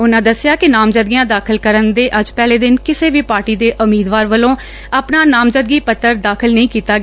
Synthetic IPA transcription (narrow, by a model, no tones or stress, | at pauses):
ʊnãːd̪əsːjaːkɪnaːmd͡ʒəd̪̚ɡijãːd̪aːkʰəlkəɾənd̪eːʔəd͡ʒpɛːleːd̪ɪnkɪseːʋiːpaːɾʈiːd̪eːʔʊmiːd̪ʋaːɾʋəlõː | aːpnaːnaːmd͡ʒəd̪̚ɡiːpət̪ːəɾd̪aːkʰəlnəĩːkiːt̪aːɡ